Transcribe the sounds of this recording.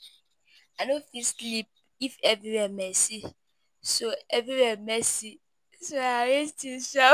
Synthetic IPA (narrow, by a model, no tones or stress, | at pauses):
anofislip̚ | ifɛvɹiwɛmesi | soɛvɹiwɛmɛsi | soaawestiʃa